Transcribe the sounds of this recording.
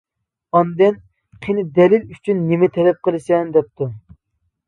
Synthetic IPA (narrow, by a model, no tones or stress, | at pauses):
ɑnd̪ɛn | qʰenɪd̪ɛlɪlyt͡ʃʰynːɪmɛt̪ʰɛlɛp̚qʰəlˠɨsɛnd̪ɛp̚t̪u